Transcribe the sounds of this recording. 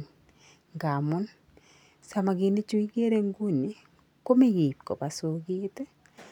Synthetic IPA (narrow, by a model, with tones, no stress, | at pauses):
ŋɡa˨mu˦n | sa˨ma˨ɡi˨ne˦t͡ʃu˦i˦ɡe˦ɾe˦ŋɡu˦ni˨ | ko˦me˦ɡi˨p̚ko̰˨pa˨so˨ɡi˦te˦